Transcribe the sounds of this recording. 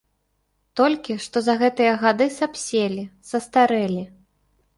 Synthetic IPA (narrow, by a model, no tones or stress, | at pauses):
t̪ɔlʲkʲiʂt̪ɔzɐɣɛt̪ɨjɐɣad̪ɨsapsʲelʲisɐst̪aɾɛlʲi